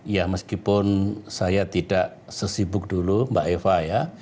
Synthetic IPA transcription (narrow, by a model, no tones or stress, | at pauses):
jahməskipʊnsajat̪idaʔ | səsibʊk̚dulumbaʔefaja